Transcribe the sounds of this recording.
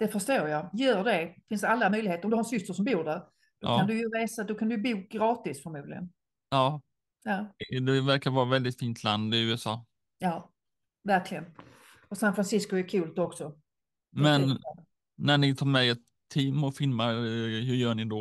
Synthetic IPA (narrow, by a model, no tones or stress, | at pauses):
d̪̥ɛfəʂtoːɾjajœːɖɛfɪnsd̪alːamœjlɪheːt̪əɾɔmd̪ɵhaɾɛnsʏst̪əʂɔmbuːɾɖæɾ | d̪̥ɔand̪ɵjɵɾeːsad̪ɔkʰand̪ɵjɵbuːɡɾɑːt̪ɪsfœɾmuːd̪lɪɡə̰n | jɑː | jɑːd̪ɛvæɾkavɑːɾavɛld̪ɪt̪fiːnt̪ʰland̪ɪʉ̟ːɛsɑ̰ː | jɑː | væɾkʰlɪɡən | ɔsanfɾansɪskʊɛkʰʉːlt̪ɔksɔ | mmɛnː | æɳɪt̪ʰɑːɾmɛɛt̪ʰːiːmɔfɪlmaɦɵɾjœːɳɪd̪ɔ